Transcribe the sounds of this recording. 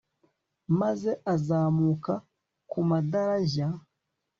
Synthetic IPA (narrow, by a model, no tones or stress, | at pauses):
maze̞ʔazaːmuka | kumadaɾaʒa